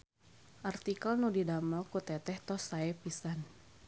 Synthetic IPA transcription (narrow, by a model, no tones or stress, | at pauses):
ʔart̪ikalnudidamakut̪ɛt̪ɛht̪ɔsaɛpisan